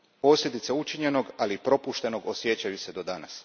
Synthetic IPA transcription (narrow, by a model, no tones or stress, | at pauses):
po̞ːsʎʲe̞d̪it̪seut͡ʃiɲe̞no̞ɡalipɾo̞puʃt̪e̞no̞ɡo̞sje̞t͡ɕajuse̞d̪o̞d̪anas